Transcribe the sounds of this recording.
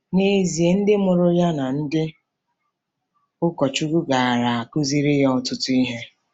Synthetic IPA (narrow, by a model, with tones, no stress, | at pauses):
ne˦zi˨e˨n̩˦dɪ˦mʊ˨ɾʊ˦ja˦na˨n̩˦dɪ˦ | ʊ˦kɔ˨t͡ʃu˦ɡʊ˦ɡa˨a˨ɾa˨a˨ku˦zi˦ɾi˦jɔ˦ɔ˦tʊ˦ti˦ɦe˦